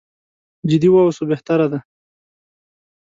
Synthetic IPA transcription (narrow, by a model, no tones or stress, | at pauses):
d͡ʒɪd̪iwɑwsobeht̪aɾad̪a